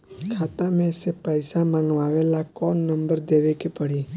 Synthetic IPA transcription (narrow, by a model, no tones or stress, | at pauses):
kʰaːt̪amẽsepəjsamãŋɡʋaʋelakɔːnːəmbəɾd̪eʋekepəɽi